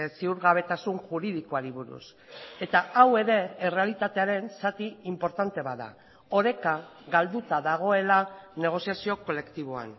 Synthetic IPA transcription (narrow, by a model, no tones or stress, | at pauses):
siuɾɣaβe̞t̪asunʝuɾið̞iko̞aɾiβuɾṵs | e̞t̪aawe̞ɾe̞ːre̞alit̪at̪e̞aɾe̞nsat̪iimpo̞ɾt̪ant̪e̞βaða̰ | o̞ɾe̞kaɣald̪ut̪aðaɣ̞o̞e̞lane̞ɣ̞o̞siasio̞ko̞le̞kt̪iβ̞o̞a̰n